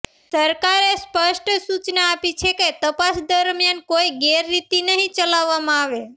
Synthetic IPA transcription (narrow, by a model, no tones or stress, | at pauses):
səɾkaɾespəʃʈsut͡ʃnaːpit͡ʃʰeket̪əpasd̪əɾmjankoiɡeɾːit̪inəɦĩt͡ʃəlaʋːamãaʋe